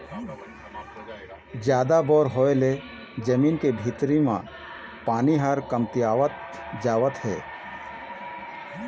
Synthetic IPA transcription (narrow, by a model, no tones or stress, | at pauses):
d͡ʒjaːd̪abɔːɾɦoːele | d͡ʒəmiːnkebʱit̪ɾimã̰ | paːniɦəɾkəmt̪ijaːʋət̪ | d͡ʒaːʋət̪ɦɛː